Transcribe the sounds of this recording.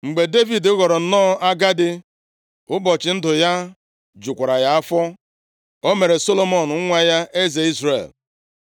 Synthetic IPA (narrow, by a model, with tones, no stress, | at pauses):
ŋ͡m̩˨ɡ͡be˨de˦vi˨dʊ˦ɣɔ˨ɾɔ˨n̩˦nɔː˦a˦ɡa˦dɪ˦ | ʊ˦bɔ˨t͡ʃɪ˨n̩˦dʊ˨ja˦ | d͡ʒʊ˨kʷa˨ɾa˨ja˦a˦fɔ˦ | o˦me˨ɾe˨so˦lo˦mɔ˨n˨˦ŋʷa˦ja˦ʔe˦ze˨i˦zrḛ˨l